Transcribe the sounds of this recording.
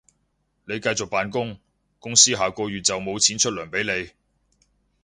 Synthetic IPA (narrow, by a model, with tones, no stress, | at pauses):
ne˨˧jkɐ˧jt͡sʊ˨k̚paː˨nkʊ˥ŋ | kʊ˥ŋsiː˥ɦaː˨˩kɔː˧ɥyː˨t̚t͡sɐ˨wmo˨˧wt͡sʰiː˨˥nt͡ʃʰɵ˥t̚lœː˨˩ŋpe˨˥jne˨˧j